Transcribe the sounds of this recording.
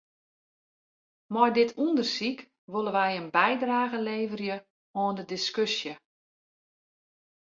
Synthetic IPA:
mɔjdɪtʰundərsik | ʋolˠəʋɛjənbɛjdraːɣəleːvərjə | ɔːndədiskøsjə

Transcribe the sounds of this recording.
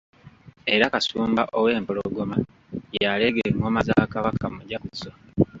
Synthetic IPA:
e̞ɾakasuːmbaʔowe̞ːmpoloɡoma | jaleɡeŋomazakaβakamuɟakut͡so

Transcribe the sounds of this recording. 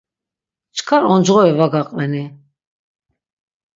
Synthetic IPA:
t͡ʃʰkʰaɾɔnd͡ʒʁɔɛvaɡaqʼvɛni

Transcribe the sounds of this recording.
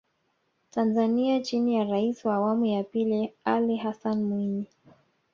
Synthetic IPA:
tanzaniat͡ʃinijaɾaisiwaːwamujapilialiɦasanmwini

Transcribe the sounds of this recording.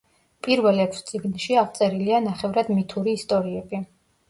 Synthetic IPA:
pʼiɾvɛlɛpʰst̪sʼiɡnʃiaʁt̪sʼɛɾilianaχɛvɾad̪mit̪ʰuɾiːst̪ʼɔɾiɛbi

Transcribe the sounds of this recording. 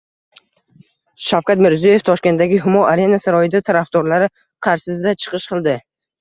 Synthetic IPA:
ʃafkʲat̪mɪɾzje̞ft̪ʰɒʃkʲe̞nt̪ːaɡʲɪɦʊmɒaɾe̞nasaɾɒjɪd̪at̪ʰaɾafd̪ɒɾlaɾɪ | qʰɑɾsɪzd̪at͡ʃʰɨ̥qʰɨʃqɨlˠd̪ɪ

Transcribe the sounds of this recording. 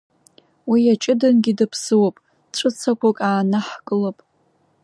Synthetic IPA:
wiat͡ʃʼɪdɨnɡʲidɨpʰsɨwapʼ | ʈ͡ʂʷʰʼɨt͡sʰakʷakʼaːnaħkʼɨlopʼ

